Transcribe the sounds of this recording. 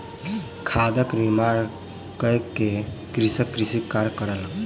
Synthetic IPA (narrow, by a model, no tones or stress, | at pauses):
kʰad̪əkɾimaɾ | kəjkekɾisəkːɾisikːaɾkəɾəl